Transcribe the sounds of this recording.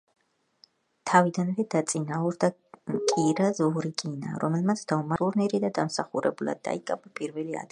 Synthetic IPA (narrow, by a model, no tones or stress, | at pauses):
t̪ʰavid̪anvɛd̪at̪sʼinauɾd̪a | kʼiɾazɔɾikʼina̰ɾɔmɛlˠmat̪sʰd̪aumauɾniɾid̪ad̪amsaχuɾɛ̰bulˠa̰d̪̚ːa̰ikʼabapʼiɾvɛlia̰d̪